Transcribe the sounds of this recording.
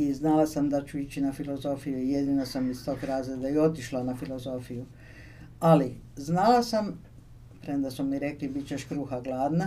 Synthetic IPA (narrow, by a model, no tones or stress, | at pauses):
iznalasamd̪at͡ʃuit͡ɕinafilo̞zo̞fijuije̞d̪inosamist̪o̞ːɡɾaːzɾed̪ajeo̞t̪iʃlanafilo̞zo̞fiju | aliznalasam | pɾed̪asumiɾe̞klibit͡ɕeʃkɾuːxaɡlaːd̪na